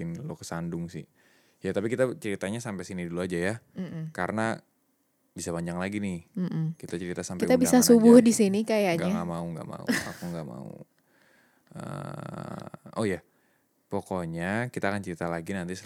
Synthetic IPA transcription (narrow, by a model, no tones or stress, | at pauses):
ɪnlokə̥sandʊŋsɪ̰ | jat̪ap̬ikit̪at͡ʃəɾit̪aɲasampejsiniduluad͡ʒajakaɾəna | bisabaɲd͡ʒaŋlaɡinɪh̩kit̪at͡ʃəɾit̪asampkiet̪abisasubʊhdisinikajaɲɡaŋamauŋɡa̰ʔma̰ṵakuŋɡaʔma̰ṵ | ə̰ | oja | pokoɲakit̪aːkant͡ʃəɾit̪alaɡinant̪is